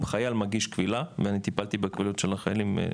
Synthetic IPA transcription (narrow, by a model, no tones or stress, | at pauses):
beχajalmaɡiʃkvilaveanit̪ipalt̪ibekvilotʃelaχajalim̰